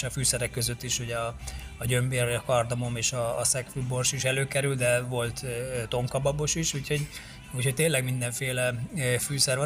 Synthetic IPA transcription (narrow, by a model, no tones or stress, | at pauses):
ʃɒfyːsɛɾɛkːø̞zø̞t̪ːiʃuɟɛɒːɟø̞mbeːrɒjɒkɒrd̪ɒmo̞meːʃɒːsɛkfybo̞rʃiʃɛløːkɛɾyld̪ɛvo̞lt̪ːt̪o̞ŋkɒbɒbo̞ʃiʃuːcho̞ɟ | uːcho̞cʲt̪eːnlɛɡmind̪ɛɱfeːlɛfyːsɛrʋɒ